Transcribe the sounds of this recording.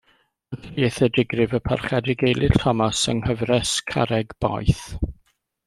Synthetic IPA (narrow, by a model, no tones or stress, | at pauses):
əθiɛθɛdɪɡrɨvəpʰa̰rχɛdɪɡejlˠʔɪtʰɔmasəŋhəvrɛskʰa̰ɾɛɡb̥a̰jθ